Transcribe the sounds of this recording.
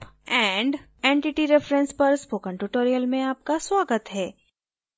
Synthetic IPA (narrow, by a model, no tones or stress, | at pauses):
ɛ̃ːɳɖ | ẽːɳʈɪʈiɾɛfɾə̃nspɐɾspoːkə̃ɳʈuʈoːɾijəlmẽaːp̚kaswaːɡət̪ɦɛː